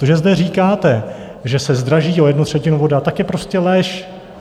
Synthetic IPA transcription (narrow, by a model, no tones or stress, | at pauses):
t̪oʒɛzdɛr̝iːkaːt̪ɛ | ʒɛsɛzd̪ɾaʒiːʔo̞jɛdnut̪r̝̥ɛcɪnuvo̞dat̪akjɛpɾo̞scɛlɛʃ